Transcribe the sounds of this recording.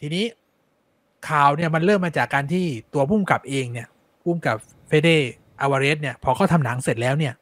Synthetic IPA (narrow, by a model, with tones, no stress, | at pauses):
t̪ʰiː˧niː˦˥ | kʰaː˨˩wni˥˩ɐma˧nɾɤː˥˩mːaː˧t͡ɕaː˨˩kːaː˧nt̪ʰiː˥˩t̪u˧ɐpʰuː˥˩mka˨˩p̚ʔeː˧ŋni˥˩ɐ | pʰuː˥˩mka˨˩p̚ | feː˦˥deː˥˩ | ʔaː˧waː˧ɾeː˦˥t̪̚ni˥˩ɐpʰɔː˧kʰaː˥˩t̪ʰa˧mnaː˩˦ŋse˨˩t̪̚lɛː˦˥wni˥˩ɐ